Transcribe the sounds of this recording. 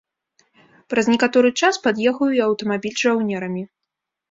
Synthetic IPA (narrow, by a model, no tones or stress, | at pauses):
pɾɐznʲɛkat̪ɔɾɨt͡ʂaspad̪jɛɣujuiɐwt̪ɐmabʲilʲʐawnʲɛɾɐmʲi